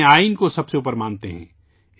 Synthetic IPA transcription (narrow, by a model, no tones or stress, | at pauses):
aːinkosɐbseuːpəɾmãːnt̪eɦɛ̰̃ː